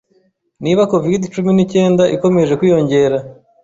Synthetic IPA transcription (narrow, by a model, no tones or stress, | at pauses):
niːβako̞vidit͡ʃuminice̞ːndaʔiko̞me̞ʒe̞kwijo̞ɲɟe̞ɾa